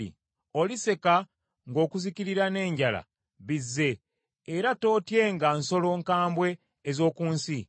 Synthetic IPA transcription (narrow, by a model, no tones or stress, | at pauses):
ḭ | o̞lise̞ka | ŋɡo̞ːkuziciɾiɾane̞ːɲɟala̰ | βizːe̞ː | ɾato̞ːtje̞ŋɡanso̞lo̞ːŋkaːmbwe̞ː | zo̞ːkuːnsi